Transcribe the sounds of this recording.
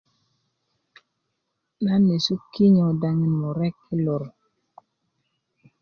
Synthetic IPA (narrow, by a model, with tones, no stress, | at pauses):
na˦nːi˨su˦kːi˦ɲo˨da˨ŋi˨nmo˨ɾɛ˦kːi˦lo˨ɾ